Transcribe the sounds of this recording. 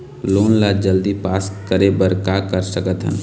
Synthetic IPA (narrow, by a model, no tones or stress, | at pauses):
loːnlad͡ʒəld̪ipaːskəɾebəɾkakəɾsəkət̪ɦə̰n